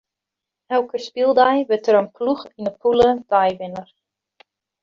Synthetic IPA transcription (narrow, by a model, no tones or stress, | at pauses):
ɛlˠkəspilˠdajʋətəɾənpluxinəpʰulədajʋɪnər